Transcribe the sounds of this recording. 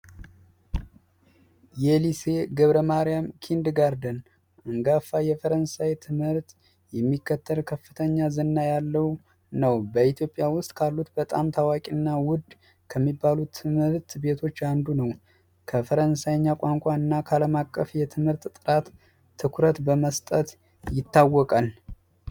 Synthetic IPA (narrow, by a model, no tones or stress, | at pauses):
jɛlise̞ɡəβɾəmaɾijamkʰind̪ɡaɾd̪ən | ɨŋɡafːajɛfəɾənsajt̪ʰɨmhɨɾt̪ | jɛmːikːət̪ʰːəlkʰəfːɨt̪ʰəɲːazənːajalːəw | nəwbəit̪ʰjo̞pʼːjawʊst̪ʼkʰalːut̪bət̪ʼamt̪ʰawakʼinːawʊd̪ | kʰəmːibːalut̪ʰɨmhɨɾt̪be̞t̪ʰo̞t͡ʃːand̪unəw | kʰəfəɾənsajɲːakʷʼaŋkʷʼaɨnːakʰəaləmakʼːəfjɛt̪ʰɨmhɨɾt̪t̪ʼɨɾat̪ʰː | ɨkʰɾət̪bəməst̪ʼət̪ | jɪt̪ːawːɔkʼal